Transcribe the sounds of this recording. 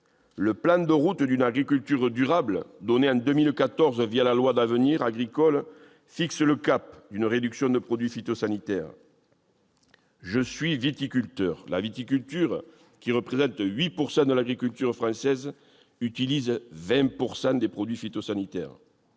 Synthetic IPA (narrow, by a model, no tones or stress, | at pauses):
ləplɑ̃d̪əʁut̪d̪ynaɡʁikʲylt̪yʁd̪yʁablə̰d̪ɔneɑ̃d̪ømilkat̪ɔʁzvjalalwad̪avəniʁaɡʁikɔl | fiksələkapd̪ynʁed̪yksjɔ̃d̪əpχɔd̪ɥifit̪osanit̪ɛʁ | ʒəsɥivit̪ikʲylt̪œʁla̰vit̪ikylt̪yʁ | kʲiʁəpχezɑ̃t̪ɥipuʁsɑ̃d̪əlaɡʁikylt̪yʁfχɑ̃sɛz | yt̪ilizvɛ̃puʁsɑ̃d̪epχɔd̪ɥifit̪osanit̪ɛ̰ʁ